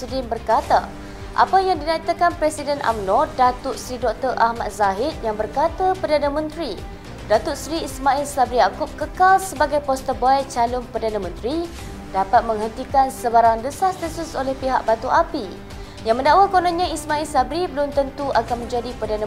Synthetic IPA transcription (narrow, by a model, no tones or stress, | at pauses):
sdɪnbərkat̪a̰ | ʔa̰pajaŋdinait̪akanpɾɛsidənʔa̰mnɔdat̪ʊsɾidɔk̚t̪ərʔahma̰t̪̚zaɦit̪̚jaŋbərkat̪apərdanãmə̃nt̪ɾi | dat̪ʊt̪̚sɾiːsmãilsabɾijakʊp̚kəkalsəbaɡajpɔst̪əbaat͡ʃalʊnpərdanãmə̃nt̪ɾi | dapat̪̚mə̃ŋɦənt̪ikansəbaɾaŋdəsast̪əsusolɛhpiɦa̰ʔ̚bat̪uʔapi | jãŋmə̃ndaʔwakonãɲãismãilsabɾibəlʊmt̪ənt̪uʔakanmə̃ɲd͡ʒadipərdanã